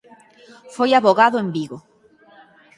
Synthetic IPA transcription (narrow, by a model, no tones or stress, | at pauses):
fojaβoɣaðʊembiɣo